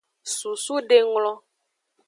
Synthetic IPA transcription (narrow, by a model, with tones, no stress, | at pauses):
su˨su˦ɖe˦ŋlɔ̃˦